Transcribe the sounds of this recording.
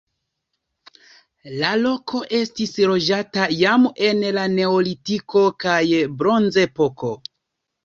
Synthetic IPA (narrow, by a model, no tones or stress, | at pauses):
lalo̞kʰo̞ʔe̞stislo̞d͡ʒatajame̞nlane̞olitiko̞kajbɾo̞nzepo̞ko̞